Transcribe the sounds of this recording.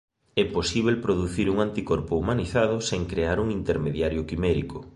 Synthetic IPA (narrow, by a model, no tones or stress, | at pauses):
ɛposiβ̞elpɾoðuθiɾuŋant̪ikɔɾpʊumaniθað̞ʊseŋkɾeaɾuŋint̪eɾmeðjaɾjʊkimɛɾikʊ